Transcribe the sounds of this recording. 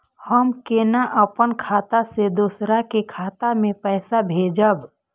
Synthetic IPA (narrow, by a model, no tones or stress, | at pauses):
həmkenaʔəpənkʰaːt̪ased̪usɾakekʰaːt̪amẽpɛːsabʱeːd͡ʒəb